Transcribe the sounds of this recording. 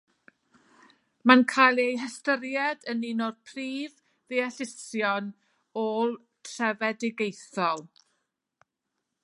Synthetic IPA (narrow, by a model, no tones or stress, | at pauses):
mankʰajlˠejɦəstəɾjɛdənɪnɔrpʰriːv | ðiɛɬɪsjɔn | olˠ | tʰrɛvɛdɪɡejθɔlˠ